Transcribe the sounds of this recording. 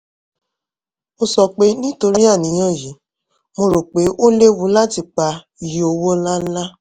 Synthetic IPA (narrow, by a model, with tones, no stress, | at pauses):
o˧sɔ˨k͡pe˨˦nĩ˦to˧ɾi˦a˦˨nĩ˨˦j̃ɔ̃˦˨ji˨˦ | mo˧ɾo˨k͡pe˨˦ʔo˦le˦wu˨˦la˦ti˧˨k͡pa˧ | ji˨o˧wo˦la˦la˦